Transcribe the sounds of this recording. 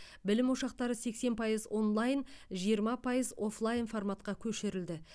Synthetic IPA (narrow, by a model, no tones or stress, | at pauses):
bɪlɪmoʃɑq̚t̪ɑɾəse̞kse̞npʰɑjəzo̞nlˠɑjnʒijəɾmɑpʰɑjəzo̞flˠajnformat̪qɑkʲʰɵʃɪɾɪld̪ɪ